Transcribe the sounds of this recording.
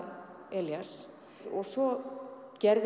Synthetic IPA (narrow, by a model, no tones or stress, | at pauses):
ɛljas | ɔɣsɔ | cɛɾð